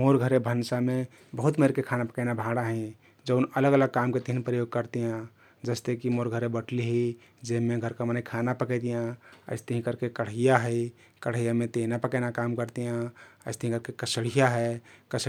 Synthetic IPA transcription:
moɾɡʱəɾebʱənsame | bəɦut̪meɾkekʰanapəkəɪnabʱãɽaɦɛ̃ | d͡ʒəʊnələɡələɡ̚kamket̪əɦinpɾəjoɡ̚kəɾt̪ijã | d͡ʒəst̪ekimoɾɡʱəɾebəʈʰliɦi | d͡ʒemeɡʱəɾkamənəɪkʰanapəkɛt̪ijãə̰ɪst̪əɦĩkəɾkekəɽ̤əjaɦəi | kəɽ̤əjamet̪enapəkɛnakamkəɾt̪ijãəɪst̪əɦĩkəɾkekəsəɽ̤ijaɦɛkəs

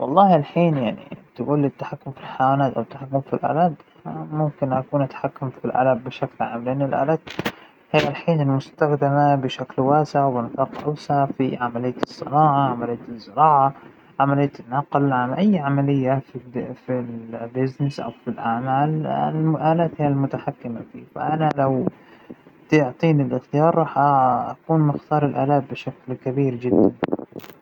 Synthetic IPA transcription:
wʔɑ̰lˤːɑːhalħiːnjaʕnḭt̪ɪɡuːlɪt̪ːḁħakːʊmfilħajwaːnaːt̪ʔawɪt̪ːaħakːʊmfilʔa̰ːlaːd̪ | mʊmkɪnʔakuːnʔat̪ḁħakːʊmfilʔa̰labːɪʃaklʕaːmlʔanːɪlʔa̰ːlaːt̪ | haːʔalħiːnɪlmʊst̪axd̪ɪmabɪʃaklwaːsɪʕawbɪnfɑːqʔa̰wsʕafḭʕamalɪjːat̪sˤːɨ̰nɑːʕaʕamalɪjːat̪ɨzːɪɾɑːʕa | ʕamalɪjːat̪ɪnːɑqlʕanʔajːʕamalɪjːaffilbɪznɪsʔa̰wfilʔaʕmaːlmʔaːlaːt̪hɪjalmʊt̪aħakːɪmafḭːfa̰ʔanalaw | t̪ɪʕt̪ˤiːnɪlʔɪxt̪ɪjɑːɾˤɾˤɑːħʔaʔakuːnmɪxt̪ɑːɾˤɪlʔaːlaːb̚bɪʃaklkabiːɾd͡ʒɪd̪ːan

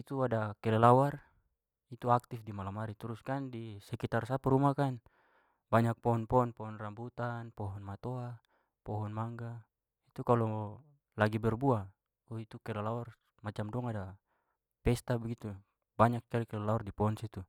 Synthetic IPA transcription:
it̪uadakɛlɛlawar | it̪uak̚t̪ifdimalamaɾit̪uɾuskandisɛkit̪arsapuɾumakan | baɲak̚pɔɦɔnpɔɔnpɔɦɔnrambut̪anpɔɦɔnmat̪ɔa | pɔɦɔnmaŋɡa | it̪ukalɔ | laɡibɛrbua | ɔit̪ukɛlɛlawar | mat͡ʃamdɔŋada | pɛst̪abɛɡit̪u | baɲak̚t͡ʃalikɛlɛlawardipɔɔnsit̪u

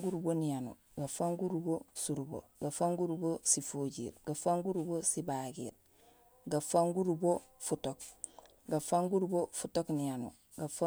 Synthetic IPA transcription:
ɡuɾubonijanṵ | ɡafaŋɡuɾubosuɾubo̰ɡafaŋɡuɾubosifoɟḭɾɡ̥afaŋɡuɾubosibaɡḭɾ | ɡafaŋɡuɾubo | futok̚ | ɡafaŋɡuɾbofutoknijanṵ | ɡafa

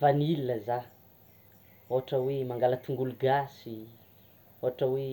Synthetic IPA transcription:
vanilinəza | oɦaʈ͡ʂəwemaŋɡalat̪ʰuŋɡuluɡasi | oɦaʈ͡ʂəwe

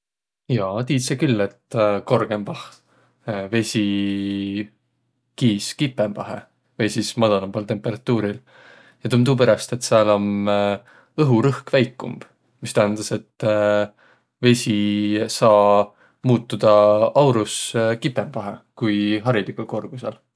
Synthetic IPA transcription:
jɑːt̪iːt̪sekylːe̞t̪ko̞rɡ̥e̞mvɑh | ve̞sʲi | kiːskipːˑe̞mvɑɦe̞̰ | vejsismɑd̪ɑlɑmb̥ɑlt̪e̞mpe̞ɾɑt̪ːˑuːɾil | jɑt̪umt̪uːp̬e̞ɾest̪e̞t̪ːˑseɑlo̞m | ɤɦuɾɤhkvæjkːṵmb̥ | mist̪æɦænd̪̥ɑse̞t̪ː | ve̞sʲisɑː | muːt̪ːˑud̪̥ɑɑwɾuskipːˑe̞mvɑɦḛkujɦɑɾilikuko̞rɡ̥usel

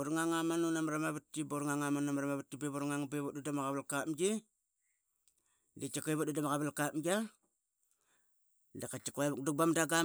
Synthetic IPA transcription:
oɾŋaŋamanunamɾamaβatːiboɾŋaŋamanamɾamaβatːibeβoɾŋaŋbeβotdudamaɣaβalkapmɡi | det͡ʃakoeβot̚dudamaɣaβalkamɡa | dakat͡ʃakokduk̚bamdaɡa

